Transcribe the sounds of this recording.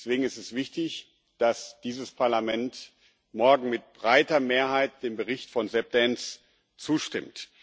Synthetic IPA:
sv̥eːɡŋ̩ɪstɛsv̥ɪçtɪç | d̥asd̥iːzəspʰaɐlamɛnt | mɔɐɡŋ̩mɪt̚b̥ʁaɪtɐmeːɐhaɪt̚d̥eːmbəʁɪçtfɔnzɛp̚d̥ɛns | t͡suːʃtɪmt

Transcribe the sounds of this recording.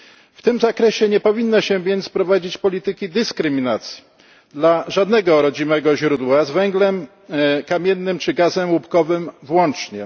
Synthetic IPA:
ft̪ɘmzakɾɛɕɛɲɛpɔvʲinːaɕɛvʲjɛnt̪spɾɔvad͡ʑit͡ɕpɔlʲit̪ɘkʲid̪ɘskɾɘmʲinat̪sʲji̥ | d̪laʐad̪nɛɡɔɾɔd͡ʑimɛɡɔʑɾud̪wazvɛŋɡlɛm | kamʲjɛnːɘmt͡ʂɘɡazɛmwupkɔvɘmvwɔnt͡ʂɲɛ

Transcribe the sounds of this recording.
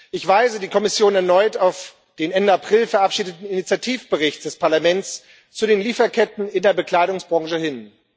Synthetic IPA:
ʔɪçv̥aɪzədiːkʰɔmɪsjoːnɛɐnɔʏtaʊf | d̥eːnɛndəapʁ̥ɪlfɛɐʔapʃiːdətn̩init͡sjatʰiːfb̥əʁɪçtd̥ɛspaɐlamɛnt͡s | t͡suɾeːnliːfɐkʰɛtn̩ɪndeːɐbəkl̥aɪɾʊŋsb̥ʁɔ̃ŋʒəhɪn

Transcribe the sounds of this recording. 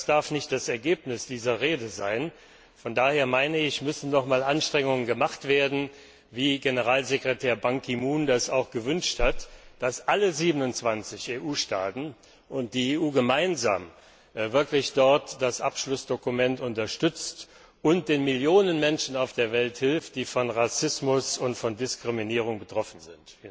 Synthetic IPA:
sd̥aɐfnɪçt̚d̥asɛɐɡeːpnɪsd̥iːzɐʁeːdəza̰ɪn | fɔndaːheːɐmaɪnəɪçmʏsn̩nɔχmaːlʔanʃtʁ̥ɛŋʊŋənɡəmaχtv̥eːɐdn̩ | viːɡenəʁaːlzekʁ̥etʰɛːɐbaŋkʰimuːndasaʊxɡ̥əvʏnʃthatd̥asʔaləziːbənʊnt͡sv̥ant͡sɪçeːʔuːʃta̰ːtn̩ | ʔʊnt̚d̥iːeːʔuːɡəmaɪnza̰ːm | vɪɐklɪçd̥ɔɐtd̥asʔa̰pʃlʊsd̥okumɛntʊntɐʃtʏt͡st | ʔʊnt̚d̥eːnmɪljoːnənmɛnʃn̩aʊfd̥eːɐvɛlthɪlft̚d̥iːfɔnʁasɪsmʊsʊntfɔndɪskʁ̥iminiːʁ̞ʊŋbətʁ̥ɔfn̩zɪnt

